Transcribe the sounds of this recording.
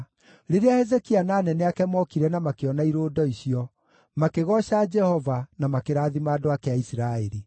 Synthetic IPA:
ɾeɾeahɛzekianaːnɛnɛakɛmɔkiɾɛnamakeɔnaiɾoːdɔiɕiɔ | makeɣɔɕad͡ʒɛhɔvanamakeɾaːðimaːdoakɛaisiɾaeɾi

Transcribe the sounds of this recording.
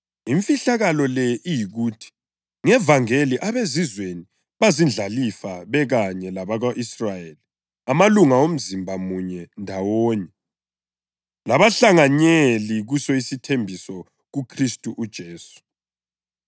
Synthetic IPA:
iɱfiɬaɣalɔlɛʔijiɣuːtʰi̥ | ŋɛvaŋeliʔaβezizweni | βazind͡ɮʱalifaβɛɣaɲɛlaβaɣaʔisrajeli | amaluŋaom̩zimbʱamuɲɛndʱawoːɲɛ | laβaɬaŋaɲeliɣusɔisitʰembʱisɔ | ɣukʰristʼuʔud̥ʒ̥ʱeːsu̥

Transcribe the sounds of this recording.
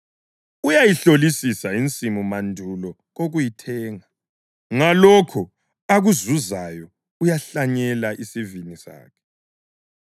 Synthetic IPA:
ujajiɬolisisaint͡sʼimumandʱulɔ | ɣoɣujitʰɛːŋa | ŋalɔkʰɔ | aɣuzuzajɔ | ujaɬaɲɛlaʔisivinisa̰ːkʰɛ̥

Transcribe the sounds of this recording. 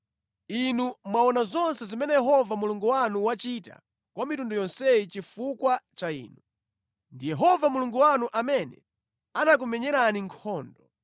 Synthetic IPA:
inumwaɔnazɔnsɛzimɛnɛjɛɦɔvamuluŋɡuwanuwat͡ʃita̰ | kwamitundɔjɔnsɛit͡ʃifukwat͡ʃaḭːnu | ndijɛɦɔvamuluŋɡuwanuʔamɛnɛ̰ | anak̬umɛɲɛɾaniŋkʰɔːndɔ

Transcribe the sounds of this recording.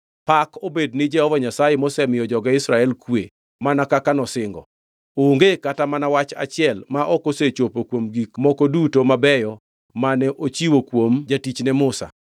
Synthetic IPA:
pakʰobednɪd͡ʒɛhɔvaɲasajemɔsɛmɪjɔd͡ʒɔɡaɪsɾaɛlkwe | manakakanɔsɪŋɡɔ̰ | oŋɡekatamanawat͡ʃa̰t͡ʃɪɛlmaʔɔkoset͡ʃopokwomɡikmɔkodutomabɛjɔ | manɛʔot͡ʃiwokwomd͡ʒatit͡ʃnɛmʊsa̰

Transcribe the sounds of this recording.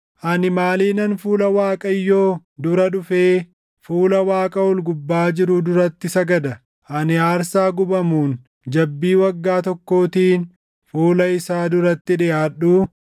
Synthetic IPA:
ʔɐnɪmaːliːnɐnfuːlɐwaːkʼɐjːo̞ː | d̪ʊɾɐᶑʊfeː | fuːlɐwaːkʼɐʊlɡʊbːaːd͡ʒɪɾʊd̪ʊɾɐt̪ːɪsɐɡɐd̪ɐ | ʔɐnɪaːɾsaːɡʊbɐmuːn | d͡ʒɐbːiːwɐɡːaːt̪ɔkːo̞ːt̪iːn | fuːlɐɪsaːd̪ʊɾɐt̪ːɪᶑɪʔaːᶑːuː

